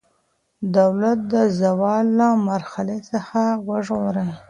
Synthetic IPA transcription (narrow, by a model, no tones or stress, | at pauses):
d̪awlat̪̚d̪əzawɑlːamaɾxalesəxawəʐɣoɾəj